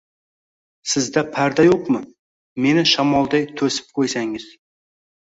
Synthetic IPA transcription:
sɪzd̪ɑpʰæɾd̪ɑjoqmə | me̞nɪʃɑmɑlˠd̪ɑjt̪ʰɵsɪ̥p̚qʰojsɑŋɪz̥

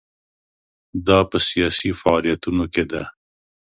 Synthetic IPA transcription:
d̪ɑpəsijɑsifaɑlijat̪unoked̪a

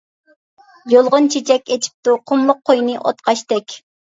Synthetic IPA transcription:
jolˠʁʊnt͡ʃʰet͡ʃʰɛkʲet͡ʃʰi̥p̚t̪uqʰʊmlˠʊq̚ʰːojnɨʔo̰t̪qʰɑʃt̪ɛkʲ

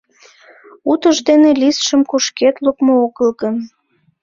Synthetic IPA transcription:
ut̪əʒd̪enelisʃəmkuʃket̪lukmooɣəlɣən

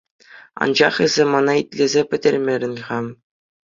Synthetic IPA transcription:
ɑ̰nd͡ʑɑχɘ̆zʲemɑnɑit̪ʲlʲezʲepʲɘ̆dʲɘ̆rʲmʲeɾʲɘ̆nʲχɑm

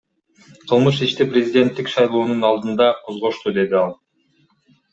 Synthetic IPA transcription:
qʰɯlˠmɯʃ̬iʃt̪iprʲɪzʲidʲe̞nt̪ːikʃɑjlˠoːnunɑlˠd̪ɯnd̪ɑqʰo̞zʁo̞ʃt̪ud̪e̞d̪iɑlˠ

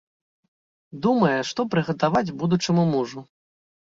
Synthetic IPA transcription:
d̪umɐjɛʂt̪ɔpɾɨɣɐt̪avad͡zʲbud̪ut͡ʂɨmumuʐu

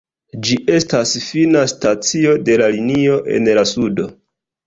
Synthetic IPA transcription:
d͡ʒiʔe̞stasfinastat͡sio̞de̞lalinio̞ʔe̞̰nlasudo̞

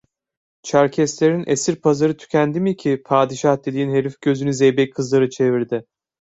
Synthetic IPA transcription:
t͡ʃʰaɾcʰɛst̪lʲeɾinḛsiɾpʰazaɾɯt̪ʰy̥cʲʰænd̪imicʰipʰaːd̪iʃahd̪e̞d̪iːnɦe̞ɾifɟøzynyzɛjbɛckʰːɯzlˠaɾɯt͡ʃʰe̞viɾd̪ɪ

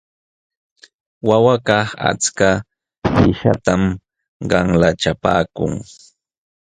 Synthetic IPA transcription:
wawakɑχa̰t͡ska | pɪʃa̰t̪am | ɢɑŋlat͡ʃapaːkʊŋ

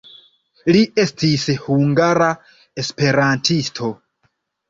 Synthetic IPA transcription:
liʔe̞stishuŋɡaɾa | e̞spe̞ɾantʰistʰo̞

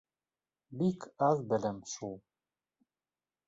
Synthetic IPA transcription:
bikʰɑzbɛlɛmʃulˠ

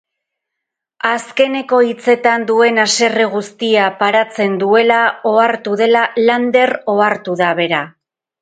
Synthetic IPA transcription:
aske̞ne̞ko̞it͡se̞t̪and̪ue̞nase̞re̞ɣ̞ust̪iapaɾat͡se̞nd̪ue̞lao̞aɾt̪uðe̞laland̪e̞ro̞aɾt̪uðaβ̞e̞ɾa

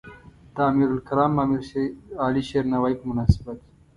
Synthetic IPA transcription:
t̪aːmiːɾulkɐɾaːmɐmiɾaːliʃeːɾnɐwaikmʊnaːsibɐt̪

